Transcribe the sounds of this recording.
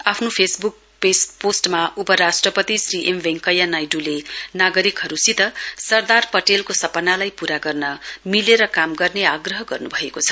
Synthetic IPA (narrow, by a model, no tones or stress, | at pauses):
apʰnopʰesbuk̚ | pesposʈmaupʌɾasʈrʌpʌt̪isriʔembeŋkʌjanajɖulenaɡʌɾikɦʌɾusit̪ʌsʌrd̪arpʌʈelkosʌpʌnalajpuɾaɡʌrnʌmileɾʌkamɡʌrneaɡrʌɦʌɡʌrnubʱʌekot͡sʰʌ̥